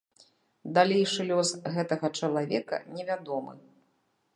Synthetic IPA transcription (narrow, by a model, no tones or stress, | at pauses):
d̪alʲejʂɨlʲɔsɣɛt̪ɐɣɐt͡ʂɐlˠavʲɛ̰kɐ̰nʲɛvʲad̪ɔmɨ̰